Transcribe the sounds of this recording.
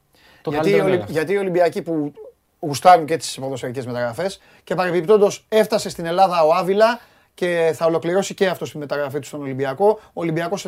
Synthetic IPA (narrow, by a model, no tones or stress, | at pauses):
ʝɐioʝɐt̪iːo̞libiɐcipu | ɣust̪ɐnunce̞t̪i̥spoðo̞sɐice̞zme̞t̪ɐɣɾɐfe̞s | ce̞pɐɾepip̚t̪o̞nd̪o̞se̞ft̪ɐse̞st̪ine̞lɐðɐo̞ɐvilɐ | ce̞θɐo̞lo̞kliɾo̞sice̞ɐft̪o̞st̪ime̞t̪ɐɣɾɐfit̪u̥st̪o̞no̞libiɐko̞ːlimbiɐko̞s